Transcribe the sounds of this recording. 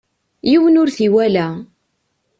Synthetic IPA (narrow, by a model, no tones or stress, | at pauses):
jiwənʊɾθiwælæ